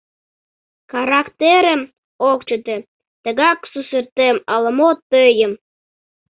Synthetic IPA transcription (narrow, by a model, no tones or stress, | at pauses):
xɑɾɑkt̪eɾəm | okt͡ɕət̪e | t̪əɣɑksusərt̪emɑlə̆mot̪ːøjəm